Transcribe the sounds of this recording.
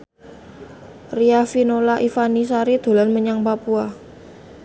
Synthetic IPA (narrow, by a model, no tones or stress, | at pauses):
riafinolaʔifanis̬aɾid̪̥o̤lanməɲaŋpapua